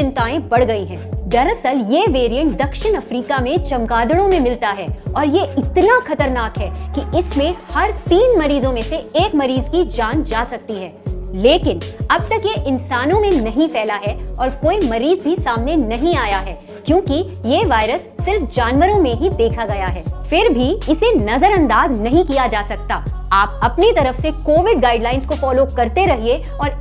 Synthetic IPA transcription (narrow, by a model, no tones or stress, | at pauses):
ɪ̃nt̪aːẽbɐɽɡɐiɦɛ̃ːd̪ɐɾɐsəljeːʋeːɾijə̃ɳʈ̚d̪ɐkʃɪnɐfɾiːkamẽt͡ʃɐ̃mɡaːd̪əɽõmẽmɪlt̪aɦɛːɔːɾjeɪt̪naxɐt̪əɾnaːkɦɛkiɪsmẽhɐɾt̪iːnmɐɾiːzõmẽseeːkmɐɾiːzkid͡ʒaːnd͡ʒaːsɐk̚t̪iɦɛːleːkɪnɐb̚t̪ɐkjeʔɪnsaːnõmẽnɐɦĩfɛːlaɦɛɔːɾkoːimɐɾiːzbʱisaːmnenɐɦĩaːjaɦɛː | kjõːki | jeːʋaːɪɾəsːɪɾfd͡ʒaːnʋəɾõmẽɦid̪eːkʰaɡɐjaɦɛːfɪɾbʱiɪsenɐzəɾɐ̃nd̪aːznɐɦĩkijad͡ʒaːsɐk̚t̪aː | aːp̚ɐpnit̪ɐɾəfsekoːʋɪɖ̚ɡaːɪɖlaːɪ̃nskofɔːlokɐɾt̪eɾɐɦie | ɔːɾ